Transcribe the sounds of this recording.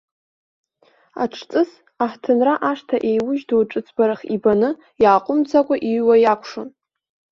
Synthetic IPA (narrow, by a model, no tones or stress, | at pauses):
a̰ʈ͡ʂʰt͡sʼɨs | aħtʰɨnraʔaʂtʰaʔejwʊʒdowʈ͡ʂʼɨt͡sʰʼbaɾaχibanɨ | jaːqʷʼʊmd͡zakʷʼaʔiɥwajakʷʰʂon